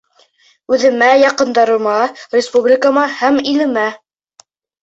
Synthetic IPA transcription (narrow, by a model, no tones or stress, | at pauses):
ʉðɘ̆mæjɑqɤ̆nd̪ɑɾɤ̆mɑrʲɪspublʲɪkamɑhæmilɘ̆mæ